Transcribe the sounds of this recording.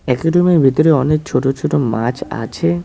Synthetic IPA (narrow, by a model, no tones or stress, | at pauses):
ɛkoɖomiɾbʱit̪oɾeɔnek̚t͡ɕʰoʈot͡ɕʰoʈoma̰t͡ɕʰa̰t͡ɕʰe